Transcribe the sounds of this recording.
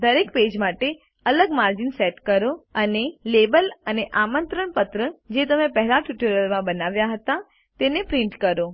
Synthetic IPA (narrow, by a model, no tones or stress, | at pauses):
d̪əɾekped͡ʒmaʈe | ələɡmaɾd͡ʒinseʈkəɾoənelebələneʔamənt̪ɾəɳpət̪ɾəd͡ʒet̪əmepəɦɛlaʈjuʈəɾjəlmãbənaʋjaɦət̪a | t̪enepɾiɳʈkəɾo